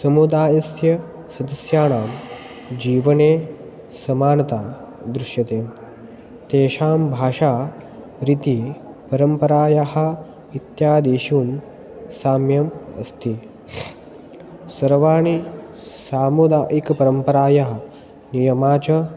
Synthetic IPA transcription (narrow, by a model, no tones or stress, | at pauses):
sɐmud̪aːjɐsjɐ | sɐd̪ɐsjaːɳaːm | d͡ʒiːʋɐneː | sɐmaːnɐt̪aː | d̪ɾuʃjɐt̪eːm | t̪eːʃaːmbʱaːʂaː | ɾit̪ipɐɾɐmpɐɾaːjaɦɐ̆ | it̪jaːd̪eːʃuːn | saːmjɐmɐ̰st̪i | sɐɾʋaːɳ̃i | saːmud̪aːʔikpɐɾɐmpɐɾaːjaɦɐ | nijɐmaːt͡ʃɐ